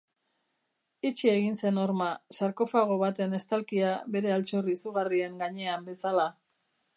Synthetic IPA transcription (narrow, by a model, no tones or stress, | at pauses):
it͡ʃie̞ɣinse̞no̞ɾmasaɾko̞faɣ̞o̞βat̪ene̞st̪alkiaβe̞ɾe̞alt͡ʃoriːsuɣ̞arieŋɡaɲe̞ambe̞sala